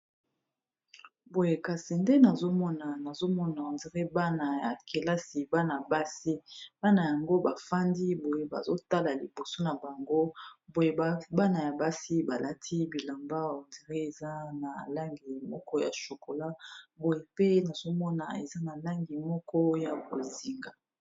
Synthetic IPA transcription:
bo˨je˨ka˨si˨nde˦na˨zo˦mɔ˦na˨na˨zo˦mɔ˦na˨ndi˨ʁe˦ba˦na˨ja˨ke˨la˦si˨ba˦na˨ba˦si˦ba˦na˨ja˨ŋɡo˦ba˨fa˦ndi˦bo˨je˦ba̰˨zo˦ta˦la˨li˨bo˨so˦na˨ba˨ŋɡo˦bo˨je˦ba˦ba˦na˨ja˨ba˦si˦ba˨la˦tʰi˦bi˨la˨mba˦˨ndi˨ʁɛ˦e˨za˦na˨la˦ŋɡi˨mɔ˦kɔ˦ja̰˨ʃo˨ko˨la˦bo˨je˨pe˦na˨zo˦mɔ˦na̰˨ḛ˨za˦na˨la˦ŋɡi˨mɔ˦kɔ˦ja˨ko˨zi˨ŋɡa˨

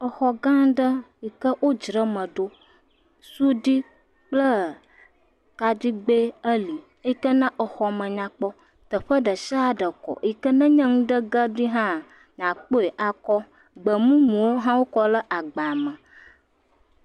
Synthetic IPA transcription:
ə˨xɔ˨ɡã˦ɖə˦i˨kə˦wo˦d͡ʒɾə˦mə̃˨ɖo˦ | su˦ɖi˦ | k͡plə˦ | ka˨d̪i˦ɡ͡be˦ə˦li˨ | e˦ji˦kə˦nã˦ʔə˨xɔ˨mə̃˨ɲã˨k͡pɔ˦ | t̪ə˨ɸə˦ɖə˨ʃa˦a˦ɖə˨kɔ̰˨ʔi˦kə˦nə̃˦ɲə̃˦ŋũ˦ɖə˦ɡə˦ɖi˦ɦã˦ | ɲã˨k͡po˦e˨ʔa˨kɔ˦ | ɡ͡bə˨mũ˦mũ˨wo˦ɦã˦wo˦kɔ˦lə˦ʔa˨ɡ͡ba˨mə̃˨

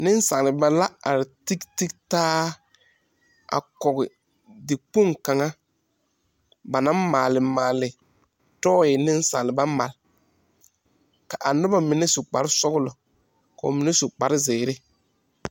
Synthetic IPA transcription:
nɪ˦n˦sa˨ŋ˨lɪ˨ba˨la˦a˨ɾɪ˨ti˦kti˦ktaː˦ | a̰˨kɔ˨ɡɪ˨ | dɪ˨k͡po˦ŋka˨ŋa˦ | ba˨nã˦mmaː˨lɪ˨maː˨lɪ˨ | tɔː˦ɪ˨nɪ˦n˦sa̰˨ŋ˨lɪ˨ba˦ma˨l | ka˨ʔa˨nʊ˦ba˦mɪ˨nɛ˦sʊ˨k͡pa̰˨ɾɪ˦sɔ˦ɡʊ˦lɔ˨ | ka˨ʊ̰˨mɪ˨nɛ˦sʊ˨k͡pa˨ɾɪ˦zɪː˨ɾɪ˦

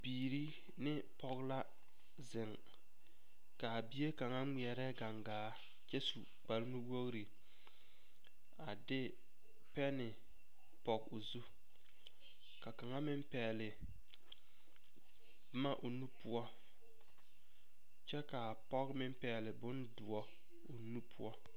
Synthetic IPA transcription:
biː˨ɾi˦ | nɪ˦ | pɔ˦ɣla˦ | zɪ˨ŋ | ka˨bi˦e˦ka˨ŋa˦ŋ͡mi˨ɛ˨ɾɛ˦ɡa˨ŋɡaː˨˦ | t͡ʃɛ˦su˨ | k͡pa˨lnu˦wo˦ɣɾi˨ | a˨dɪ˦ | pɛ˦nɪ˨ | pɔ˨ɡʊ˨zu˦ | ka˨ka˨ŋa˦mɪ˦m˦pɛː˨lɪ˨ | bma˦ʔʊ˨nu˦pʊ˦ɔ˦ | t͡ʃɛ˦ka˨pɔ˦kmɪ˦mpɛ˨˦˨lɪ˨bʊ˦ndʊ˨ɔ˦ | ʊ˨nu˦pʰʊ˦ɔ˦

